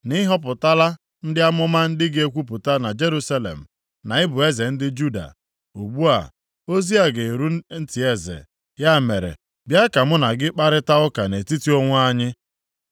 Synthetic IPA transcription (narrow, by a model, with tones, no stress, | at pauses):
nɪ˦ɦɔ˦p̬ʊ˨ta˦la˦ | n̩˦dɪ˦a˦mʊ˦ma˦n̩˦dɪ˦ɡe˦kʷu˦p̬ʊ˨ta˦na˨d͡ʒe˦ɾu˦sa˦lḛ˨m̩˨ | na˨ɪ˦bʊ˨e˦ze˨n̩˦dɪ˦d͡ʒu˦da̰˨ | u˨ɡ͡bu˦a̰˨ | o˦zi˦a˨ɡe˨ɾu˦n̩˦tɪ˨e˦zḛ˨ | ja˦me˨ɾḛ˨ | bja˦ka˨mʊ˦na˨ɡɪ˦k͡pa˦ɾɪ˦ta˦ʊ˦ka˨ne˨ti˦ti˦o˦ŋʷʊ˦a˦ɲɪ˦